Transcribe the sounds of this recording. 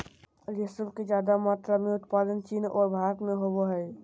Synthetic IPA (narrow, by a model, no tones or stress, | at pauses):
ɾjesəbʱked͡ʒjaːd̪amaːt̪ɾamẽʊt̪paːd̪ənt͡ʃiːnɔːɾbʱaːɡmẽɦoboɦɛː